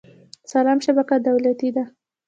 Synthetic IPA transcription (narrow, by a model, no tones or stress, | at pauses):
salɑmʃabakad̪awlat̪id̪a